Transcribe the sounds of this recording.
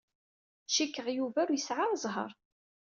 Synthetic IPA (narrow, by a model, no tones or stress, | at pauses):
ʃikːəʁjuvæɾujəsʕaɾˤzˤɦə̰ɾˤ